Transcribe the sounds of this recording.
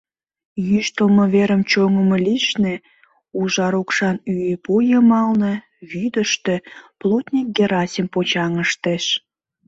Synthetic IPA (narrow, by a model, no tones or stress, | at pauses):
jyʃt̪əlməβeɾəmt͡ɕoŋəməliʃne | uʒɑɾokʃɑnypujəmɑlnə̆ | βyd̪ə̆ʃt̪eplot̪ʲnʲik̚ɡʲeɾɑsʲimpot͡ɕɑŋəʃt̪eʃ